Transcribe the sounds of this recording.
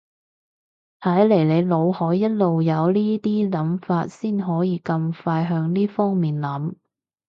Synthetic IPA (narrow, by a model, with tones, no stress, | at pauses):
t̪ʰɐ˨˥jle˨˩jle˨˧jlo˨˧whɔː˨˥jːɐ˥t̚lo˨wjɐ˨˧wliː˥t̪iː˥lɐ˨˥mfaː˧t̚siː˥nɦɔː˨˥jiː˨˧kɐ˧mfaː˧jɦœː˧ŋniː˥fɔː˥ŋmiː˨nlɐ˨˥m